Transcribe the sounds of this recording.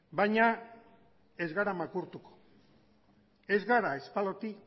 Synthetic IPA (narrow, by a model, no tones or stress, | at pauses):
bajɲa | e̞zɣaɾamakuɾt̪uko̥ | e̞zɣaɾaespalot̪i